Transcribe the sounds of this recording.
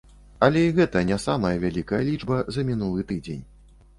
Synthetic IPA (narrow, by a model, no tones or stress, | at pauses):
ɐlʲɛiɣɛt̪ɐnʲɛsamɐjɐvʲalʲikɐjɐlʲid͡ʐbɐzɐmʲin̪ulˠɨt̪ɨd͡zʲḛnʲ